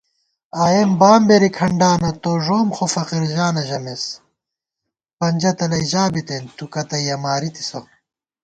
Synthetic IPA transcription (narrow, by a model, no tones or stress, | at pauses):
aːjembaːmbeɾikʰɐɳɖaːnɐt̪oʐoːmxofɐqiɾʑaːnɐʑɐmes | pɐɲd͡ʑɐt̪ɐlɐiʑaːbit̪ent̪ukɐt̪ɐjɐmaːɾit̪i̥so̰